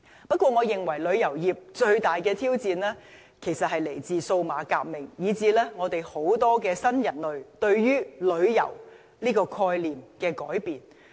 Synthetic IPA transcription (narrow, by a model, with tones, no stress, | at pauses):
pɐ˥t̚kwɔː˧ŋɔː˨˧jɪ˨ŋwɐ˨˩jlɵ˨˧ɥjɐ˨˩wjiː˨p̚t͡ʃɵ˧ɥt̪aː˨jkɛː˧t̪ʰiː˥wt͡siː˧nlɛː˥ | kʰe˨˩jsɐ˨t̚hɐ˨jle˨˩jt͡siː˨so˧wmaː˨˧kaː˧k̚mɪ˨˩ŋjiː˨˧t͡siː˧lɛː˥ŋɔː˨˧t̪e˨jho˨˥wt̪ɔː˥kɛː˧sɐ˥njɐ˨˩nlɵ˨ɥt̪ɵ˧ɥjyː˥lɵ˨˧ɥjɐ̰˨˩w | liː˥kɔː˧kʰɔː˧jliː˨˩mkɛː˧kɔː˨˥jpiː˨n